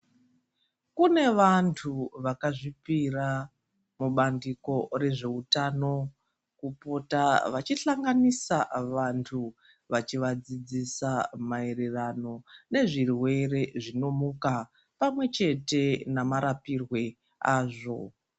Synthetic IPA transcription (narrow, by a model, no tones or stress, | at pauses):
kune̞ʋantʰuʋakaʐipira | muɓandiko̞re̞ʐe̞utano̞ | kupo̞taʋat͡ʃiɬaŋɡanisaʋantʰu | ʋat͡ʃiʋad͡zid͡zisamae̞rerano̞ne̞ʐirwe̞re̞ʐino̞muka | pamwe̞t͡ʃe̞te̞namaɾapirwe̞ | aːʐo̞̰